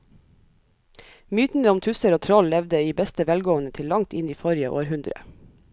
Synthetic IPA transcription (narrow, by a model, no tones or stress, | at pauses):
myːt̪n̩əʊmt̪ʰʉsəɾoːt̪ʰɾɔllɛʋd̪əiːbɛst̪əʋɛlɡoːənət̪ʰɪlːɑŋt̪ɪniːfɔɾɪə̰ʔo̰ːɾhʉnd̪ɾə̰